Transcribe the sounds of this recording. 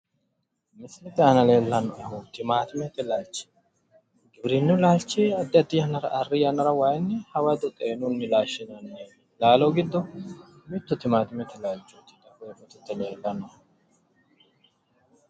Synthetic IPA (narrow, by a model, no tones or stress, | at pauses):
mɪslɪt̪ɛhɐnɐleːlːɐnːɔɐhʊt̪ɪmaːt̪ɪmɛt̪ːɪlaːlt͡ʃːɪ̥ | ɡɪbɾɪnːʊlaːlt͡ʃːeːɐd̪ːɐt̪ːiːɐnɐɾɐʔɐrːɪjɐnɐɾɐwaːjnːɪhɐwɐd̪ɛt̪ʼeːnʊnːɪlaːʃːɪnɐnːeːn | laːloɡɪd̪ːɔ | mɪt̪ːʊt̪ɪmaːt̪ɪmɛt̪ɪlaːlt͡ʃːut̪ːɪ̥d̪ɐkojfɐt̪ːɛt̪ːɛnɐkɐnːɔ